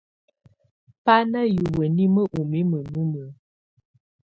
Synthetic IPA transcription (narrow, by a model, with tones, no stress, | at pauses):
pa˦nə˦ju˨bə˨ni˦mə˦ʔu˨mi˦mə˨nu˦mə˨˦